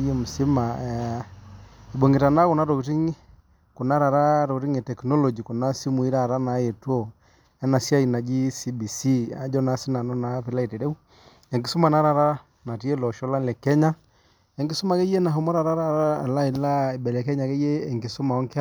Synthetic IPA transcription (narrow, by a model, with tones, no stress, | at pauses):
je˦mu˨si˦ma˨ | i˨ɓo˨ŋɡe˨ta˨na˦ko˨na˦ɾo˨kti˦ŋ˦ | ko˨na˦ɾa˨ɾa˦ɾo˨kti˦ŋe˨tɛ˨knɔ˦lɔ˨d͡ʒi˨ku˨na˦si˦mu˨i˦ɾa˨ɾa˦na˨˦e˨twɔ˦ | ɛ˦na˨sja˦i˨na˨d͡ʒi˦si˦bi˨si˦a˨d͡ʒɔ˦na˨si˦na˨nɔ˦na˨˦pi˦la˦i˨te˨ɾɛ˦u˦ | ɛ˨ŋɡi˨su˦ma˨na˦ɾa˨ɾa˦ | na˨ti˦e˦lɔ˨ʃɔ˦la˦lɛ˨kɛ˦ɲa˦ | ɛ˨ŋɡi˦su˦ma˨ke˦je˦na˨ɦo˦mɔ˦ɾa˨ɾa˦ɾa˦ɾa˦˨la˦i˨˦la˦e˨bɛ˨lɛ˨kɛ˦ɲa˨ke˦jeː˦˨ŋɡe˨so˦ma˨ɔ˦ŋke˦a˦